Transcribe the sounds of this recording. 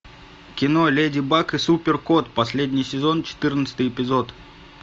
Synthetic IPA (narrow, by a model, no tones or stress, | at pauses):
kʲɪnolʲedʲɪbakɨsupʲɪrkot̪pɐsʲlʲedʲnʲɪjsʲɪzo̞nt͡ɕɪ̥t̪ɨrnət̪sə̥t̪əjɪpʲɪzo̞t̪